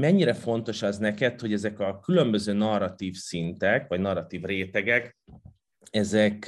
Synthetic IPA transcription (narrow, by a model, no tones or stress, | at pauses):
mɛɲːiɾɛfo̞n̪t̪o̞ʃɒznɛkɛt̪ho̞ɟɛzɛkɒkylø̞mbø̞zøːnɒrːɒt̪iːfsint̪ɛkvɒɟnɒrːɒt̪iːvreːt̪ɛɡɛk | ɛzɛk